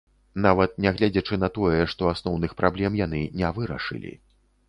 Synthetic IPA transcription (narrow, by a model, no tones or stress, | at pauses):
n̪avɐt̪̚nʲɛɣlʲad͡zʲɛt͡ʂɨnɐt̪ɔjɛʂt̪ɔasnɔwnɨxpɾʔablʲɛmjan̪ɨnʲɛvɨɾɐ̰ʂɨ̰lʲḭ